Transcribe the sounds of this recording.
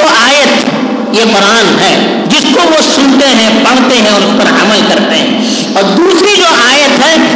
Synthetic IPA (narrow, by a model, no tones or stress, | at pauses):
oaːjət̪ | jepɾaːnɦɛː | d͡ʒɪskoʋosʊnt̪eɦɛ̃pɐɽ̤t̪eɦɛ̃ɔːɾʊspɐɾa̰ːməlkɐɾt̪eɦɛ̰̃ː | ɔːɾd̪uːsɾid͡ʒoːʔaːjət̪ɦɛː